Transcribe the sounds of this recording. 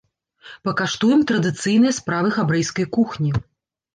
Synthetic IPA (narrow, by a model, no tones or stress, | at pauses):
pɐkaʂt̪ujɛmt̪ɾɐd̪ɨt̪sɨjn̪ɨjɐspɾavɨxabɾɛjskɐjkuxnʲi